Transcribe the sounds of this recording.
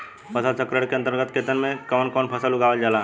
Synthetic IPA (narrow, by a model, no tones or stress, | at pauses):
pʰəsəlsəkɾəɽkeɐnt̪əɾɡət̪ket̪ənmẽkɔːnkɔːnpʰəsəlʊɡaːʋəld͡ʒalaː